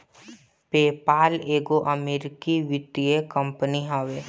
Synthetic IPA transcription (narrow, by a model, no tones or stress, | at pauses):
peːpaːleːɡoʔɐmeːɾɪkiʋɪt̪iekə̃mpəniɦaʋeː